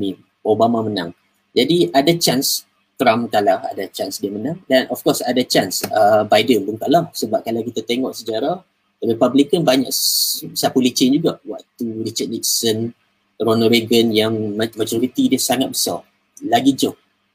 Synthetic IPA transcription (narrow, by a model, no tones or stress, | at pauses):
mi | ʔobamamənã̰ŋ | d͡ʒadiʔadat͡ʃans | t̪ɾamkalaha̰dat͡ʃansdiamənãŋdanʔɔfkɔsadat͡ʃansəbajdənbənt̪aʔlahsəbap̚kalawkit̪at̪eŋɔʔsəd͡ʒaɾa | t̪abipablikənbaɲa̰ksapulit͡ʃend͡ʒuɡaʔwaʔt̪uɾit͡ʃat̚lik̚sən | ronəɾeɡənjaŋmmad͡ʒoɾit̪idəsaŋat̪̚bəsa̰ | laɡid͡ʒɔʔ̚